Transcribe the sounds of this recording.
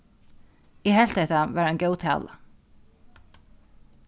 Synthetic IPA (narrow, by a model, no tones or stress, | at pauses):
jɛɦɛl̥t̪ɛht̪aʋɛːɾɛncjoːwt̪ʰa̰ːla̰